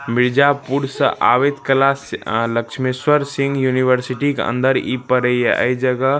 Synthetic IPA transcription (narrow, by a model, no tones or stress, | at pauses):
mɪɾd͡ʒapuɾsə̰ʔa̰ːʋet̪kɐlasləkʃʰmeswəɾsɪ̃ŋɡjuniʋəɾsiʈikḛə̰̃nd̪əɾipəɾəieʔə̰jd͡ʒəɡə